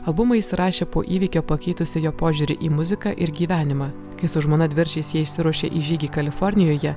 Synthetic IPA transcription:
ɐlˠbʊmɐsʲɾʔɑːʃʲeːpoːʔiːʋʲiːkʲoːpɐkʲɛɪt̪ʊsʲɪjoːpoːʒʲʊːɾʲɪʔiːmʊzʲɪkɑʔɪɾɡʲiːʋʲæːnʲɪmɑː | kɐɪsʊʒmoːnɐd̪ʲʋʲɪɾʲt͡ʃʲɛsjiɛɪʃʲsʲɪɾuɔʃʲḛːʔɪʒʲiːɡʲiːkɐlʲɪfɔɾʲnʲɪjoːjɛ

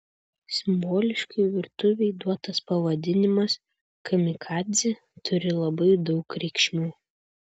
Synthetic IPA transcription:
sʲɪmboːlʲɪʃkɐɪʋʲɪɾt̪ʊʋʲɛɪd̪uɔt̪ɐspɐʋɐd̪ʲɪnʲɪmɐs | kʰɐmʲɪkʰɑːd̪zʲɪ | t̪ʰʊɾʲɪlˠɐbɐɪd̪ɒʊkɾʲɛɪkʃʲmʲuː

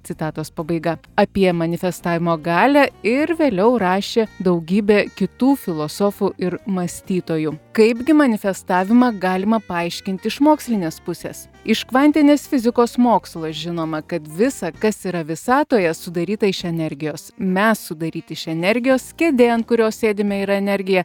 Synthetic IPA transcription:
t̪sʲɪt̪ɑːt̪oːspɐbɐɪɡɐɐpʲiɛmɐnʲɪfʲɛst̪ɑːʋʲɪmoːɡɑːlʲæɪɾʋʲeːlʲɛʊɾɑːʃʲeːd̪ɐʊɡʲiːbʲeːkʲɪt̪uːfʲɪlˠoːsoːfuʔɪɾmɐsʲt̪ʲiːt̪oːjuːkɐɪbɡʲɪmɐnʲɪfʲɛst̪ɑːʋʲɪmɑɡɑːlʲɪmɐpɐɐɪʃʲkʲɪnʲt̪ʲɪɪʃmoːksʲlʲɪnʲeːspʊsʲḛːs | ɪʃkʋɐnʲt̪ʲɪnʲeːsfʲɪzʲɪkoːsmoːkslˠoːʒʲɪnoːmɐkɐt̪ʋʲɪsɐkɐsiːɾɐʋʲɪsɑːt̪oːjɛsʊd̪ɐɾʲiːt̪ɐɪʃɛnʲɛɾʲɡʲɪjoːsmʲɛsːʊd̪ɐɾʲiːt̪ʲɪɪʃɛnʲɛɾʲɡʲɪjoːskʲɛd̪ʲeːnkʊɾʲoːsʲsʲeːd̪ʲɪmʲɛiːɾɐɛnʲɛɾʲɡʲɪjɛ

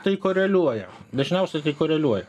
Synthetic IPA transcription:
t̪ɐɪkoːɾʲɛlʲuɔjɛd̪ɐʒʲnʲɛʊsʲɛt̪ɐɪkoːɾʲɛlʲuɔjɛ

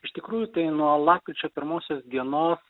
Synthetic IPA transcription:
ɪʃt̪ʲɪkɾuːjʊt̪ɐɪnuɔlˠɑːp̚ʲkʲɾʲɪt͡ʃʲoːpʲɪɾmoːsʲoːsd̪ʲiɛnoːs

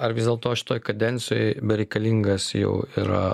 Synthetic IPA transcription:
ɐɾʋʲɪsd̪ʲeːlˠt̪oːʃʲɪ̥t̪oːjkɐd̪ʲɛnʲt͡ssʲɪjoːjbʲɛɾʲɛɪkɐlʲiŋɡɐsjɛ̰ʊiɾɐ̰

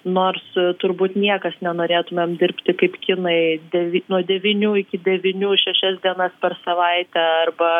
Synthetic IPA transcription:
noːrst̪ʊɾbuːt̪nʲiɛkɐsnʲɛnoːɾʲeːt̪ʊmʲeːmd̪ʲɪɾʲpʲt̪ʲɪkɐɪpkʲɪnɐɪd̪ʲɛʋʲinuɔd̪ʲɛʋʲɪnʲuːɪkʲɪd̪ʲɛʋʲɪnʲuːʃʲɛʃʲɛsd̪ʲiɛnɐspʲɛrsɐʋɐɪt̪ʲɛɐrbɐ

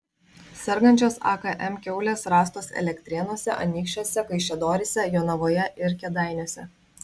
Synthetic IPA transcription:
sʲɛɾɡɐnʲt͡ʃʲoːsɑ̰ːkɐʔɛmkʲɛʊlʲeːsɾɑːs̬t̪oːsɛ̰lʲɛkʲt̪ʲɾʲɛnoɔsʲɛ̰ʔɐ̰nʲiːkʃʲt͡ʃʲoːsʲɛkɐɪʃʲɛd̪oːɾʲɪsʲɛjoːnɐʋoːjɛʔɪɾkʲɛd̪ɑˑɪnʲoːsʲɛ

